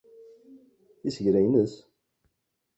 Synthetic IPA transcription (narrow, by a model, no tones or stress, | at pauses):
θisəʝɾæjnəs